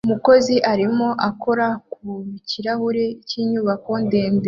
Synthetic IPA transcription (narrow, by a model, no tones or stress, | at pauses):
umuko̞ziʔaɾimo̞ʔako̞ɾakuciɾahuɾeciːɲuːβako̞nde̞ːnbe